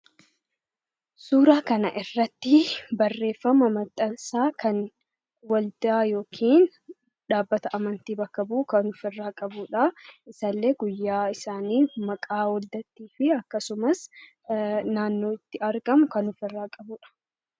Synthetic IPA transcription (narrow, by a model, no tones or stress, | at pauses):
suːɾaːkɐnɐʔɪrːɐt̪ːɪbɐrːe̞ːfːɐmɐmɐt̪ʼːɐnsaːkʰɐn | wɐld̪aːjo̞ːkʰiːn | ᶑaːbːɐt̪ɐʔɐmɐnt̪iːbɐkːɐbuːkɐnʊfɪrːaːkʼɐbuːᶑɐɪsɐlːe̞ːɡʊjːaːɪsaːniːmɐkʼaːwɐld̪ɐt̪ːiːfɪɐkːɐsʊmɐs | naːnːo̞ːɪt̪ːɪɐɾɡɐmʊkɐnʊfɪrːaːkʼɐbuːᶑɐ̥